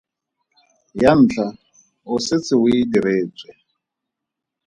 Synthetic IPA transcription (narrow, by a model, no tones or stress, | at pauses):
jan̩ːt͡ɬʰa | ʊset͡sɪwiidiɾeːt͡sʼwɛ